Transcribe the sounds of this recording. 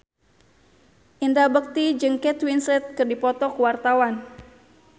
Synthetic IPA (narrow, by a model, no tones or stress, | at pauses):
ʔindabək̚t̪id͡ʒɨŋkɛt̪winsɛt̪̚kɨrdipɔt̪ɔkəwart̪awan